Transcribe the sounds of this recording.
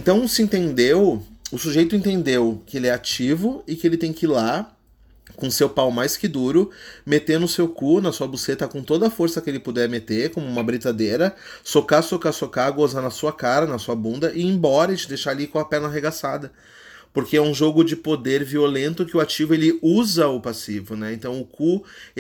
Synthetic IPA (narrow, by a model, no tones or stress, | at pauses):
ẽnt̪ɐ̃w̃sɪẽnt̪ẽnd̪ewʊsuʒejt̪ʊẽnt̪ẽnd̪ewkɪelɪɛat͡ʃivʊɪkɪelɪt̪ẽj̃kɪla | kõsewpawmajskɪd̪uɾʊmet̪eɾnʊsewkunɐsuɐbuset̪ɐkõt̪od̪ɐːfoɾsɐkɪelɪpud̪ɛɾmet̪eɾkõmʊũmɐbɾit̪ad̪eɾɐ | sokaɾsokaɾsokaɡouzanɐsuɐkaɾɐnɐsuɐbũnd̪ɐʔɪẽbɔɾɐɪt͡ʃɪd̪ejʃaɾalikõɐpɛɾnɐɦeɡasad̪ɐ | poɾkeɛũʒoɡʊd͡ʒɪpod̪eɾviolẽnt̪ʊkɪʊat͡ʃivʊelɪuzɐʊpasivʊnɛẽnt̪ɐ̃w̃ʊku